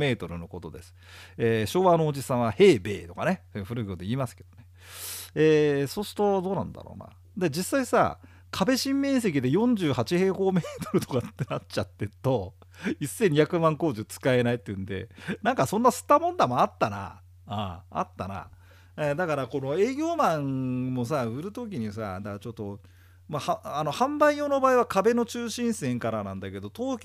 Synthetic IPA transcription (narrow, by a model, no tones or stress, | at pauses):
me̞ːt̪o̞ɾɯ̟no̞ko̞t̪o̞d̪e̞sɨ̥ | eːɕo̞ːβano̞ːʑisãɰ̃βahe̞ːbe̞̰ːt̪o̞kanesojɯɸɯ̟ɾɯ̟ɡɯd̪eiːmasɨ̥ke̞d̪̥one̞ | eːso̞ːsɨ̥t̪o̞d̪o̞ːnã̰nd̪a̰ɾo̰ːna̰ | d̪ed͡ʑisːaisa̰ | kʰabe̞ɕĩmːẽ̞ːs̬e̞k̬ʲid̪e̞jõ̞ɲ̟d͡ʑɨːɦat͡ɕihe̞ːho̞ːme̞ːt̪o̞ɾɯ̟t̪o̞kat̪ːe̞nat͡ɕat̪ːe̞t̪o̞ | isːẽ̞ɲ̟içakɯ̟mãŋko̞ːʑɨt͡sɨ̥kae̞nait̪ːeɯ̟̃nd̪e̞̰nãŋkasõ̞nːasɨ̥t̪ːamõ̞nd̪amoat̪ːana̰ | aa̰t̪ːa̰na̰ | ed̪akaɾako̞no̞e̞ːɡʲo̞ːmãŋmo̞s̬aɯ̟ɾɯ̟t̪o̞k̬ʲiɲ̟isa̰d̪akat͡ɕo̞t̪ːo̞ | mahaano̞hãmbaijo̞ːno̞baːiβakabe̞no̞t͡ɕɨːɕĩɰ̃sẽ̞ŋkaɾanãnd̪ake̞d̪o̞t̪o̞ːkʲ